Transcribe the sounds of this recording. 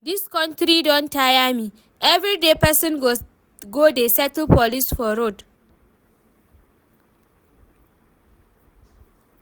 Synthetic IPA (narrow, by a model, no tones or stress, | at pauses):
diskɔ̃ntɾidɔ̃ntajami | ʔɛvɾidepɛsɔ̃nɡo | ɡodesɛtəlpɔlisfɔɾod